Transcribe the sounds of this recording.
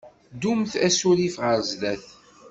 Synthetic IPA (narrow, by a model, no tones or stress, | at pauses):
d̪umθæsulifʁəɾzlæθ